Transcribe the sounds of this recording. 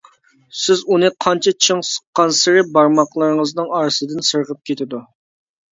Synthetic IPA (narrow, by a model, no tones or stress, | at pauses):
sɪzunɨqʰɑnt͡ʃʰɛt͡ʃʰəŋsə̥qqːɑnsɪɾɪbɑɾmɑqlˠɨɾɨŋəznɨŋɑɾɨsɨd̪ɨnsəɾʁəp̚kʲʰet̪ʰɪd̪u